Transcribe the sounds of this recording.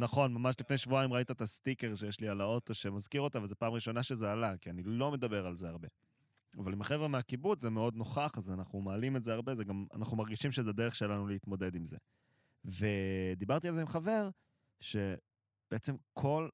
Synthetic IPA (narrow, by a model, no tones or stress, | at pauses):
naχo̞nmamaʃlifnejʃvuaimʁait̪aet̪astike̞ʁʃejeʃlialao̞t̪o̞ʃemazkiʁo̞tavalzepaːmʁiʃo̞naʃezealakianilo̞me̞dabe̞ʁalzeaʁbe̞ | a̰valimaχe̞vʁemeakibut͡szeme̞o̞d̪no̞χaχazanaχnumaːlimetzeaʁbe̞zeɡama̰naχnumaʁɡiʃimʃezed̪e̞ʁeχʃe̞lanuleit̪mo̞d̪e̞d̪imze̞̰ | ve̞d̪ibaʁt̪ialzeimχave̞ʁ | ʃe̞ | b̥eet͡se̞mkʰo̞l